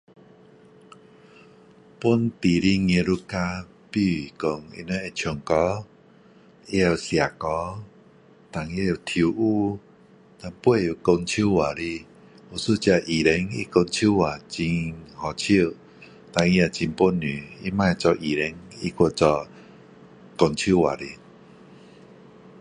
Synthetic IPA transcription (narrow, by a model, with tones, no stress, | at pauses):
pu˦nt̪i˨ɾi˦ŋẽ˧ɾu˦ka˧ | pi˧i˨ko˧ŋḭ˧ne˧˦e˧˨t͡ɕʰjɔ˨˩ŋkɔ˧˦ | i˦a˧wsja˨˩kɔ˧˦ | t̪a˨˩ŋi˧˦˧a˨˩t̪ʰu˧ʔu˦ | t̪a˧ŋpwe˥˧ju˨˩ko˧ŋt͡ɕʰu˦˨wa˨li˧ | u˨˩su˦t͡ɕa˧ʔi˨˩ɾɛ˧˦ŋḭ˦˧ko˧ŋt͡ɕʰu˦wa˨˩t͡ɕi˧nhɔ˨t͡ɕʰi˦˧˨ | t̪a˧ŋi˧a˨t͡ɕi˧npo˦nỹ˨i˦mã˧˨˧t͡sɔ˧ʔi˨˩ɾɛ˧˦ŋi˧˦ko˧˨t͡sɔ˧ | ko˧ŋt͡ɕʰu˦˨wa̰˨ɾi˧